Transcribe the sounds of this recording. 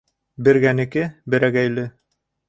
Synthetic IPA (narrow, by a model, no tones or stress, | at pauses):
bɘ̆ɾɡænɘ̆kɘbɘ̆ɾæɡæjlɘ